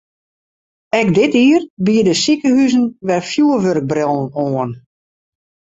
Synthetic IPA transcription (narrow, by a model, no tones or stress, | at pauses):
ɛkdɪtiərbiədəsikəhyzənʋɛrfjuəʋørk̚brɔlənoən